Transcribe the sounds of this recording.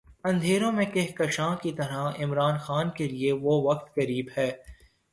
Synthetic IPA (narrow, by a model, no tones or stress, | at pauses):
ɐ̃nd̪ʱeːɾõmẽkɪɦkɐʃãːkit̪ɐɾaɪmɾaːnxaːnkelieʋoʋɐk̚t̪kɐɾiːbɦɛː